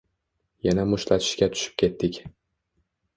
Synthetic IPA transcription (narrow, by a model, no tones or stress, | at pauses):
janamʊʃlat̪ʰɪ̥ʃkʲat̪ʰʊ̥ʃɪ̥p̚kʲʰe̞t̪ːɪkʲ